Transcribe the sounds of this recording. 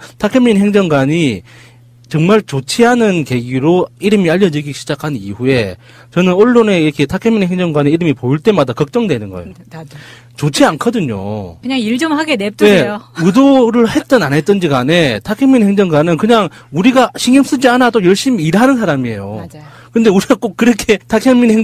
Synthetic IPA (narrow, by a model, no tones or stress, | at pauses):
tʰakʰemiɲnɦeŋd͡ʑʌŋɡwaɲi | t͡ɕʌŋmaɭt͡ɕot͡ɕʰiɦanɯnke̞ɡiɾoiɾɯmiaʎːʌd͡ʑiɡiɕʰid͡ʑakʰannḭɸue̞ | t͡ɕʌnɯnoɭːone̞iɾʌkʰetʰakʰeminhɦe̞ŋd͡ʑʌŋɡwaɲiiɾɯmipojiɭt͈e̞madakʌk̚t͡ɕ͈ʌŋdwenɯnɡʌ̰ḛjo | t͡ɕot͡ɕʰiankʰʌdɯɲo̰kɯɲaŋiɭd͡ʑʌmɦaɡenet͈nejoudoɾɯɭhet̚t͈ʌnanɦe̞t͈ɯnd͡ʑiɡane̞tʰakʰeŋmːinheŋd͡ʑʌŋɡwanɯnkɯɲaŋuɾiɡaɕʰiŋims͈ɯd͡ʑianadojʌɭɕ͈imiːɾɦanɯns̬ʰaɾamie̞̰jo | kɯnde̞uɾiɡak͈ok̚k͈ːɯɾʌkʰe̞tʰakʰjeminhe